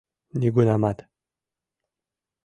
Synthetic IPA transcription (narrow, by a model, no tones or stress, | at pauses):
nʲiɡunamat̪